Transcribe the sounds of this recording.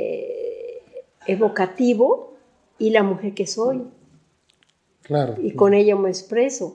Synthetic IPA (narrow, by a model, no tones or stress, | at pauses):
eβokat̪iβo | ilamuxeɾkesoj | klaɾoikoneʎameekspɾeso